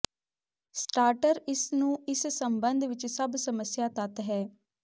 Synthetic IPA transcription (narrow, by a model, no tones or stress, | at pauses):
sʈaːɾʈəɾɪsnũːɪssəmbənd̪ʱʋɪt͡ʃsəbsəməsjaːt̪at̪ɦɛː